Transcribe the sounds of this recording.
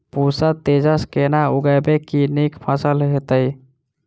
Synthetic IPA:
pusət̪ed͡ʒəskenauɡəjbekinikpʰəsəlɦet̪əj

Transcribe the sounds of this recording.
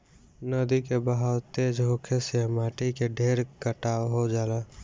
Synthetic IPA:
nəd̪ikebəɦawt̪eːd͡ʒɦoːkʰesemaːʈikeɖʱeːɾkəʈaːɦod͡ʒaːlaː

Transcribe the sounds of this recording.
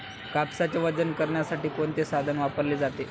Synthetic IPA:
kapsat͡ɕeʋəd͡zənkəɾɳjasaʈiːkoɳt̪esad̪ʱənʋapəɾleːd͡zat̪e

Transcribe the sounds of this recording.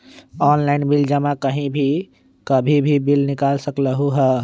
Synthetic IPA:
ɔːnlaɪnbɪld͡ʒəmakəɦĩbʱi | kəbʱibʱibɪlnɪkaːlsəkləɦuɦɛː

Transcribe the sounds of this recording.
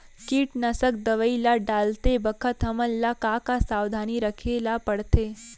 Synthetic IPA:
kiːʈnəsək̚d̪əʋəilaɖalt̪ebəkʰət̪ɦəməlːakakasaːwd̪ʱaniɾəkʰelapəɽt̪e

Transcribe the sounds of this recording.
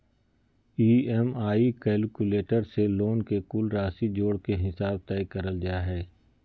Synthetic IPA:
iːɛmaːikɛːlkʊleːʈəɾseloːnkekʊlɾaːsid͡ʒoːɽkeɦɪsaːb̚t̪ɛːikɐɾəld͡ʒaːɦɛː

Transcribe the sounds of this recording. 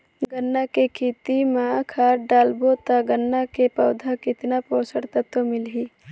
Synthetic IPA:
ɡənːakekʰiːt̪imakʰaːɖaːlbot̪aɡənːakepɐwd̪ʱakɪt̪napoːsəɽt̪ət̪womɪlɦiː

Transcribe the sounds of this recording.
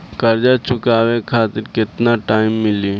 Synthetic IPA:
kɐɾd͡ʒat͡ʃʊkaːwekʰaːt̪ɪɾkɪt̪naʈaːɪmːɪliː

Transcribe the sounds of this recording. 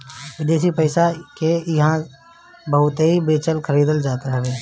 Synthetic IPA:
ʋɪd̪eːs̬ipəɪsakejɐɦã | bɐɦʊt̪ibeːt͡ʃəlkʰəɾiːd̪əld͡ʒaːt̪aɦɛbeː

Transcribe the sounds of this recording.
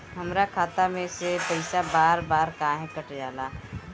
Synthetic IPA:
ɦɐmɾakʰaːt̪amẽsepɐɪsabaːɾbaːɾkaːɦẽkəʈjaːlaː

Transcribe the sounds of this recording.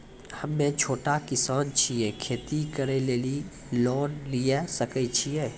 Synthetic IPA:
hɐmːẽt͡ʃʰoːʈakɪsaːnt͡ʃʰieːkʰeːt̪ikəɾeleːli | loːnlijesəkət͡ʃʰieː

